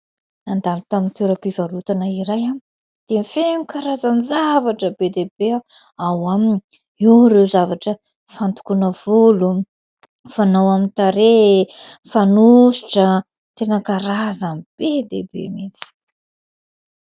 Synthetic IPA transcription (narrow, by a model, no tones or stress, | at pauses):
nand̪alut̪amint̪eɾəpivaɾut̪anəiɾajam | d̪̥efeŋikaɾazanizavaʈ͡ʂəbed̪ebea | awamiɲi | inrewzavaʈ͡ʂə | fant̪u̥kunəv̥ulu | fanawamint̪aɾe | fanusi̥ʈ͡ʂə | t̪enəkaɾazamib̥ed̪ḛbḛmit͡si̥